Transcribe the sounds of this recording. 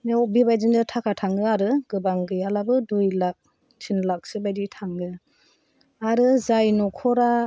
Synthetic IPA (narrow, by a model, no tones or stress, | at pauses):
nebiβajzindɯtʰakʰatʰaŋɯaɾɯɡɯbaŋɡɯjalabɯdujlak̚ | tʰinlak̚sɯbajditʰaŋɡɯ | aɾɯzajnɔkʰɔɾa